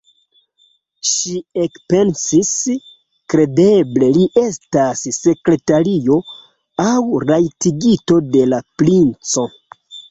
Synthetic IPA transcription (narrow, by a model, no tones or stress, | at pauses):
ʃiekpe̞nsis | kɾe̞de̞ble̞liʔe̞stasːe̞kɾe̞taɾio̞ | awɾajtiɡito̞de̞laplint͡so̞